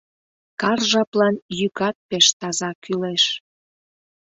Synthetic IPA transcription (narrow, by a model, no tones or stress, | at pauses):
kɑrʒɑplɑnjykɑt̪̚peʃt̪ɑzɑkyleʃ